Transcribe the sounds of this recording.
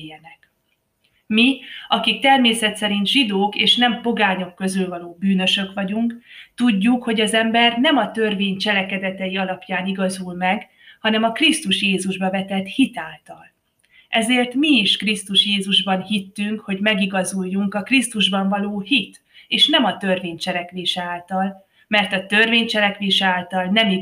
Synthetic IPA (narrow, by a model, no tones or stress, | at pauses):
jɛnɛk | miɒkik̚t̪ɛrmeːsɛt̪sɛɾint̪ʒid̪oːkeːʃnɛmpo̞ɡaːɲo̞kːø̞zylvɒloːbyːnøʃø̞kʋɒɟuŋkt̪uɟːukho̞ɟɒzɛmbɛrnɛmɒt̪ø̞rveːɲt͡ʃɛlɛkɛd̪ɛt̪ɛjiɒlɒpjaːniɡɒzulmɛɡ | hɒnɛmɒkrist̪uʃjeːzuʒbɒvɛt̪ɛt̪hit̪aːlt̪ɒl | ʔɛzeːrt̪miːʃkrist̪uʃjeːzuʒbɒnhit̪ːyŋkho̞ɟmɛɡiɡɒzujːuŋkɒkrist̪uʒbɒɱvɒloːhit̪ | eːʃnɛmɒt̪ø̞rveːɲt͡ʃɛlɛkʋeːʃɛaːlt̪ɒl | mɛrt̪ɒt̪ø̞rveːɲt͡ʃɛlɛkʋeːʃɛaːlt̪ɒlnɛmi